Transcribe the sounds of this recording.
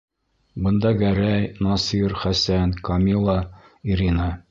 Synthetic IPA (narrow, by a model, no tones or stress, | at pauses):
bɤ̆nd̪ɑɡæɾæjnɑsiɾχæsænkɑmʲilˠɑ | iɾinɑ